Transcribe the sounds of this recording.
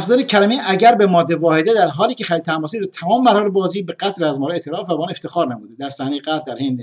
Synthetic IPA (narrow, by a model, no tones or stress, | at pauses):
fzæːnecʰæɾæmiʔæɟæɾbemɒːd̪ːevɒːhe̞d̪ed̪æɾɦɒːliːcʰexæliːd̪̚t̪ʰæmɒːsiːd̪t̪ʰæmɒːmeːæɾhɑːɾebɒːziːbeɡæt̪ɾæzmɒːɾɛet̪ʰeɾɒːfvæbɒɑːneft̪exɒːɾnæmuːd̪ed̪æɾsæhnejeɡæd̪æɾhend̪e